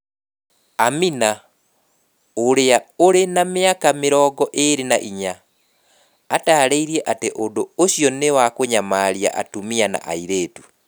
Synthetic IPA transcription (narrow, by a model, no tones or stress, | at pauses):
amina | oɾeaoɾenameakameɾɔɡɔʔeɾenaʔiɲa | taːɾeiɾiɛʔateʔondooɕjɔnewakoɲamaɾja̰ʔa̰tumiana̰ʔa̰iɾeːtu̥